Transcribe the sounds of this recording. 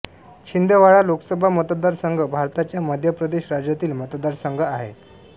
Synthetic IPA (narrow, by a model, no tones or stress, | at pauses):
ɕind̪eʋaɭaloksəbʱamət̪d̪aɾsəŋɡʱəbʱaɾt̪at͡ɕjaməd̪ʱjəpɾəd̪eɕɾad͡ʑjat̪iːlmət̪d̪aɾsəŋɡʱəaɦe